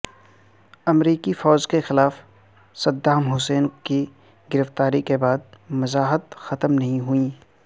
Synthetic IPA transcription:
ɐmɾiːkifɔːd͡ʒkexɪlaːf | sɐd̪ːaːmɦʊseːnki | ɡɪɾəft̪aːɾikebaːd̪̚mɐzaːɦət̪xɐt̪əmnɐɦĩɦuĩː

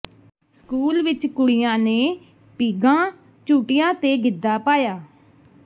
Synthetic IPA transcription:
skuːlʋɪt͡ʃkʊɽɪjãːneː | piːɡãː | t͡ʃuːʈɪjãːt̪eːɡɪd̪ːaːpaːjaː

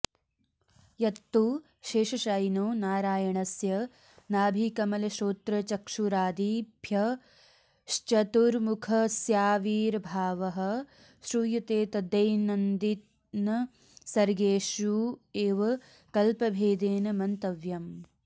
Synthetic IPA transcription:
jɐt̪ːuː | ʃeːʃɐʃaːjnoːnaːɾaːjɐɳɐsjɐ | naːbʱiːkɐmɐlɐʃoːt̪ɾɐt͡ʃɐkʂuɾaːd̪ibʱjɐ | ʃt͡ʃɐt̪uɾmukʰɐsjaːʋiːɾbʱaːʋɐɦɐ̆ | ʃɾuːjut̪eːt̪ɐd̪ɐjnɐnd̪it̪ | nɐ | sɐɾɡeːʃjueːʋɐ | kɐlpɐbʱeːd̪eːnɐmɐnt̪ɐʋjɐm

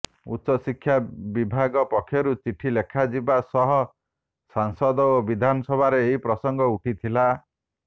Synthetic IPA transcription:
ṵtʃɔsikʰːjabibʱaɡɔpɔkʰːjɔɾut͡ʃiʈʰilekʰad͡ʒibasɔɦɔ | saŋsɔd̪ɔobid̪ʱanɔsɔbʱaɾeːɦipɾɔsɔŋɡɔuʈʰit̪ʰila

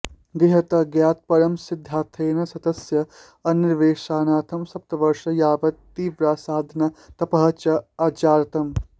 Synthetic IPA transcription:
ɡɾɪɦɐt̪ɐɡjaːt̪̚pɐɾɐmsɪd̪ʱːaːt̪ʰeːnɐsɐd̪ɐsjɐ | ɐnɪɾʋeːʃaːnaːt̪ʰɐmsɐp̚t̪ɐʋɐɾʂɐjaːbɐt̪ːiːʋɾaːsaːd̪ʱnɐt̪ɐpɐɦɐt͡ʃɐaːt͡ʃaːɾɐt̪ɐm

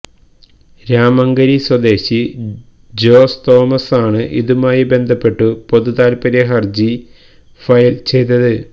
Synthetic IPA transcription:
ɾaːmɐŋɡɐɾiswɐd̪e̞ːɕi | d͡ʑo̞ːst̪o̞ːmɐsaːɳɨʔiðumaːjibe̞nd̪ʱɐpːe̞ʈːupo̞ðuðaːlpɐɾeɦɐrd͡ʑi | fɐjlt͡ɕe̞jt̪ːɐðɨ

